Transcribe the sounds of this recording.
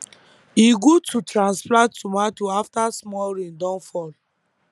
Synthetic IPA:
iɡotʰutɾãnsplãtːumatuaftasmɔlɾĩndɔ̃nfɔl

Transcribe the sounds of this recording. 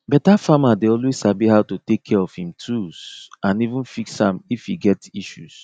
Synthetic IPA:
bɛtafamadeɔlwez̥sabihaʊtotekʰːɛɹɔfhĩmtʰuz̥ãnivũnfikshãmifiɡɛtiʃus

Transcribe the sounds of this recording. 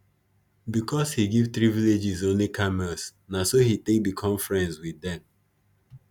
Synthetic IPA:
bikɔshiɡivt̪ɾiviled͡ʒizõnlikʰamɛsnasohitek̚dikʰɔ̃mfɹɛ̃nswidɛ̃m

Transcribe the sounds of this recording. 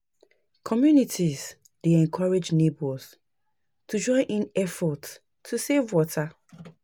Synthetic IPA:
kʰɔmjunitʰiz̥ | d̥eɛ̃nkʰɔɹed͡ʒnebols | tʰud͡ʒɔ̃ɪ̃nʔĩnɛfɔt | tʰːusevwɔtʰa

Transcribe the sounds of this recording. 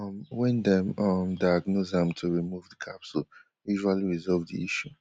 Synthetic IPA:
mwɛ̃ndɛ̃mʌmdajaɡnozãmtʰuɹimuvdəkʰapsul | juʒualiɹizɔlvdḭiʃu

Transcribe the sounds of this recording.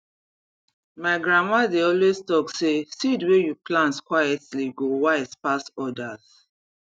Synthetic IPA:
maɪɡɹamadeɔlwestɔksesidwejuplãntkwajɛtliɡowaɪspasɔdaz̥

